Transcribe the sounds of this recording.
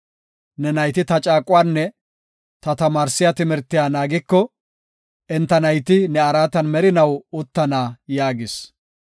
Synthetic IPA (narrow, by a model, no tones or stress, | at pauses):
nɛnɐjt̪ɪt̪ɐt͡ʃʼaːkʼːʊwaːnːɛ | t̪ɐt̪ɐmaːɾsɪjat̪ɪmɛɾt̪ːɪjaːnaːɡɪkːɔ | ʔɛnt̪ːɐnɐjt̪ɪnɛɐɾaːt̪ɐnmɛɾɪnɐwʊt̪ːɐnaːjaːɡɪs